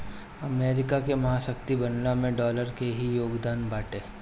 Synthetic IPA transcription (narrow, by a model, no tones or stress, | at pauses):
ɐmeːɾɪkakemɐɦasɐkt̪ibɐnlamẽɖɔːləɾkeɦijoːɡd̪aːnbaːʈeː